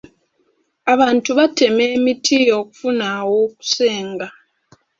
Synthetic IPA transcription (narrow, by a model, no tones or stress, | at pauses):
aβaːntuβate̞me̞ːmitʰijo̞ːku̥funawo̞ːku̥se̞ːŋɡa